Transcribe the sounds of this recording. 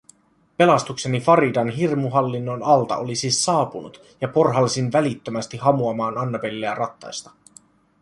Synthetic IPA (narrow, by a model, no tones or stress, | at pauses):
pe̞lɑst̪ukse̞nifɑɾidɑnɦirmuɦɑlːinːo̞nɑlt̪ɑ̰ʔolisiːsːɑːpunṵt̪ | jɑpo̞rɦɑlsinʋælit̪ːømæst̪iɦɑmuɑmɑːnɑnːɑpe̞lːeærʔɑt̪ːɑ̰jst̪ɑ̥